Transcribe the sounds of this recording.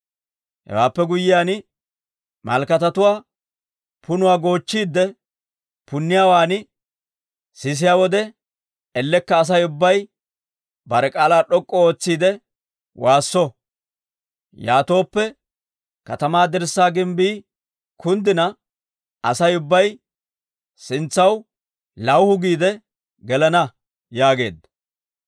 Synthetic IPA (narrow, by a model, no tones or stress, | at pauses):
hɛ̰waːpːɛɡʊjːɪjaːnɪ | mɐ̰lkɐt̪ɐt̪ʊwaː | pʊnʊwaːɡo̞ːt͡ʃːiːd̪ːɛ | pʊnːɪjaːwaːnɪ | sɪs̬ɪjaːwɔd̪ɛ | ɛlːɛkːɐːs̬ɐjʊbːɐj | bɐɾɛkʼaːlaːɗɔkʼːɔo̞ːt͡sːiːd̪ɛ | waːsːɔ | jaːt̪o̞ːpːɛ | kɐt̪ɐmaːd̪ɪɾsːaːɡɪmbiː | kʰʊnd̪ɪnɐ | ɐsɐjʊbːɐj | sɪnt͡sːɐw | lɐwhʊɡiːd̪ɛ | ɡɛlɐnɐ | jaːɡe̞̰ːd̪ɐ